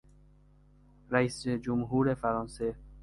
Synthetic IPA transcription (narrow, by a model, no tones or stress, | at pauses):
ɾæiːsed͡ʒomɦuːɾefæɾɑːnse